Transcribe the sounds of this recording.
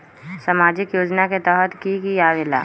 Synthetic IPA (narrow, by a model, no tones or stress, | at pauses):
samaːd͡ʒɪkjoːd͡ʒnaket̪ɛːɦət̪kikiaːʋɪla̰ː